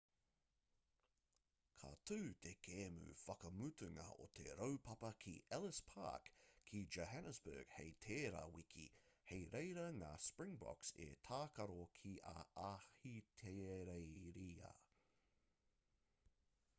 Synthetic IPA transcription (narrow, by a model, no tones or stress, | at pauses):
kʰɐ̰t̪ʰʉːt̪ʰekʰeːmʉ̰fɐkɐmʉt̪ʰʉŋɐ̰ʔo̰t̪ʰḛɾowpʰɐpɐkʰḭɛlɪspʰa̰ːkʰːid͡ʒoɦænəsbə̰ːɡ̥hejt̪ʰeːɾɐ̰wikʰḭhejɾejɾɐŋaspɹɪŋbɔ̰ksḛt̪ʰaːkɐɾokʰiʔɐahit̪ʰeɾejɾiːɐ̰